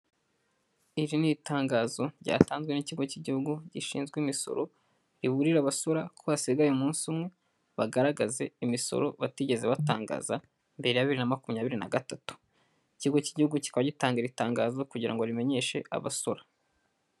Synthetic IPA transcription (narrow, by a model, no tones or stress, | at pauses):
iɾinitaːŋɡazo̞ɾɟa̰ːtaːnzɡweniciɡo̞ciɟihuɡuɟiʃḭːnzɡwimiso̞̰ɾo̞ | ɾiβuɾiɾaβasoɾakʰoβasiɡajemuːnsumŋe̞ | βaɡaɾaɡaze̞imiso̞̰ɾo̞̰βatiɟe̞zeβata̰ːŋɡa̰za | mbe̞ɾe̞jaβiɾinamakumɲaːβiɾina̰ɡatatu̥ | iciɡo̞ciɟihuɡuci̥kaβaɟitaːŋɡeɾitaːŋɡaːzo̞kuɟiɾa̰ŋɡoɾime̞ɲe̞ʃe̞̰a̰βa̰soɾa